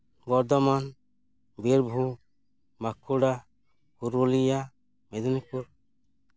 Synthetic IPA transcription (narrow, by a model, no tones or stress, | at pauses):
bɔɾd̪ɔman | biɾbʱu | makʰuɽa | huɾulija | mɛd̪ɔnikuɾ